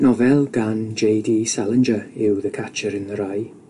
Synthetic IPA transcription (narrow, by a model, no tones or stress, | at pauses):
nɔvɛlˠɡand͡ʒejdiːsalˠənd͡ʒəɪwðəkʰat͡ʃəɾɪnðəɾaj